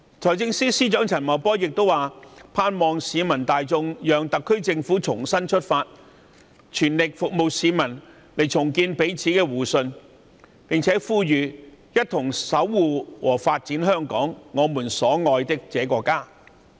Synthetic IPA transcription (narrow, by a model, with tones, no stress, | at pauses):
t͡sʰɔː˨˩t͡sɪ˧ŋsiː˥siː˥t͡ʃœː˨˥ŋt͡sʰɐ˨˩nmɐ˨˩wpɔː˥jɪ˨k̚t̪o˥waː˨˩pʰaː˧nmɔː˨˧ŋsiː˨˧mɐ˨˩nt̪aː˨jt͡sʊ˧ŋjœː˨ŋt̪ɐ˨kʰːɵ˥ɥt͡sɪ˧ŋfuː˨˥t͡sʰʊ˨˩ŋsɐ˥nt͡ʃʰɵ˥t̚faː˧t̚ | t͡ʃʰyː˨˩nlɪ˨k̚fʊ˨k̚mo˨˧wsiː˨˧mɐ˨˩n | le˨˩jt͡sʰʊ˨˩ŋkiː˧npe˨˥jt͡sʰiː˨˥kɛː˧wuː˨˩sɵ˧n | pɪ˨ŋt͡sʰɛː˨˥fuː˧jyː˨˩jɐ˥t̚t̪ʰʊ˨˩ŋsɐ˨˥wːuː˨wʔɔː˨˩faː˧t̚t͡siː˨˥nɦœː˥ŋkɔ̰ː˨˥ŋːɔː˨˧muː˨˩nsɔː˨˥ŋɔː˧jt̪ɪ˥k̚t͡sɛː˨˥kɔː˧kːaː˥